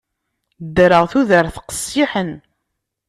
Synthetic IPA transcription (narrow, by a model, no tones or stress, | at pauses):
d̪ːɾəʁθuðəɾθqə̥sˤiħən